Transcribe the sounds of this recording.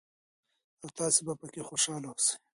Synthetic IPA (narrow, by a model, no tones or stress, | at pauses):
awt̪ɑːsibapəkexoʃɑːlawose̥j